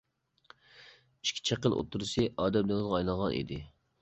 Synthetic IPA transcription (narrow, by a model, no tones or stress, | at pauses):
i̥ʃkʲʰi̥t͡ʃʰæqəlˠʔo̰t̪ʰːuɾɨsɨʔɑːd̪ɛmlɪŋɪzʁɑɑjlˠɑnˠʁɑnḭd̪ɪ